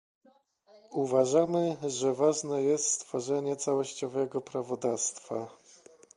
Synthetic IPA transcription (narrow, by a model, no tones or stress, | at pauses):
uvaʐamɘʐɛvaʐnɛjɛst̪st̪fɔʐɛɲɛt̪sawɔɕt͡ɕɔvɛɡɔpɾavɔd̪afst̪fa̰